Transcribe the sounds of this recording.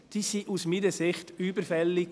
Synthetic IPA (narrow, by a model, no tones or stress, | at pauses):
d̥iːsiːʔusmiːnəsɪχtyːbəɾfɛlːɪ